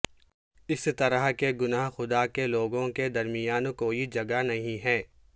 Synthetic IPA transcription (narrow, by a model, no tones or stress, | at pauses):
ɪst̪ɐɾəɦkeɡʊnaːɦxʊd̪akeloːɡõked̪ɐɾmɪjaːnkoːid͡ʒɐɡanɐɦĩɦɛː